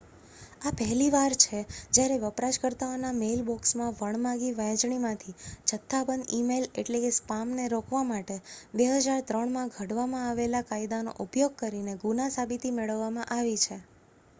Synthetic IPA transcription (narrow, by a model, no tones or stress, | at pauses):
apɛɦliʋaɾt͡ʃʰed͡ʒjaɾeʋəpɾaʃkəɾt̪aonamelbɔksmãʋəɳmãɡiʋə̃j̃d͡ʒɳimãt̪ʰit͡ʃʰət̪ʰːabənd̪imeleʈlekespamneɾokʋamaʈebeɦəd͡ʒaɾt̪ɾəɳmãɡʱəɽʋamãaʋelakaid̪ano̰ʔupjoɡ̚kəɾineɡunasabit̪imeɭəʋːamãʔaʋit͡ʃʰe